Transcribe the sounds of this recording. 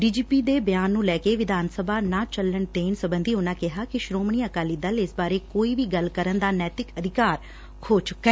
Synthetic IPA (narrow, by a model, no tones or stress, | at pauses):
ɖiːd͡ʒiːpiːd̪eːbɪjaːnːũːlɛːkeːʋɪd̪ʱaːnsəbʱaːnãːt͡ʃəlːəɳt̪eːnsəbənd̪iːʊnãːkɪɦaːkɪʃɾoːmɳiːəkaːliːd̪əlɪsbaːɾeːkoːiːʋiːɡəlkəɾənd̪aːnɛːt̪ɪkəd̪ʱɪkaːɾ | kʰoːt͡ʃʊkːɛː